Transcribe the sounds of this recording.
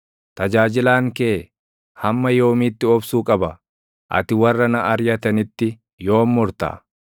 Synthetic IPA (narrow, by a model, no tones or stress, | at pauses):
t̪ɐd͡ʒaːd͡ʒɪlaːŋkeː | hɐmːɐjo̞ːmiːt̪ːɪɔbsuːkʼɐbɐ | ʔɐ̰t̪ɪwɐrːɐnɐʔɐɾjɐt̪ɐnɪt̪ːɪ | jo̞ːmːʊɾt̪a̰ː